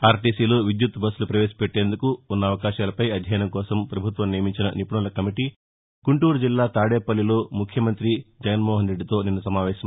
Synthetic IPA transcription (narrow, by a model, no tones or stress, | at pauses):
aːɾʈiːsiːloːʋid̪jut̪bɐsːulupɾɐʋeːsɐ̥peʈːe̞ːnd̪ukuunːɐːʋɐkaːʃaːlɐpɐjɐd̪ʱjɐːjɐnɐmkɔːsɐmpɾɐbʱut̪ʋɐmnijɐmiɲt͡ʃinɐ̰nipuɳɐlɐkɐmiʈi | kuɳʈuːɾud͡ʒilːaːt̪aːɽeːpɐlːilo̞ːmukʰjɐmɐnt̪ɾid͡ʒɐɡɐnmɔːɦɐnɾeɖːit̪o̞ːninːɐsɐmaːʋɛːʃɐm